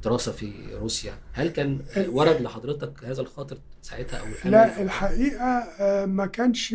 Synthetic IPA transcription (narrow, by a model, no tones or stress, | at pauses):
d̪̥eɾɑːsæfiɾuːsjæhælkæːnwɑɾˤɑd̪leħɑd̪ˤɾet̪ˤɑkhæːzælxɑːt̪ˤɨɾsaʕet̪hæʔæwʔælæelħaʔiːʔæmækæːnʃ